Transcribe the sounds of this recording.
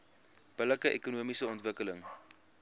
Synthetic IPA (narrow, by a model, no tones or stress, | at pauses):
b̥ələkəʔḛkunuəmisəɔntvəkələŋ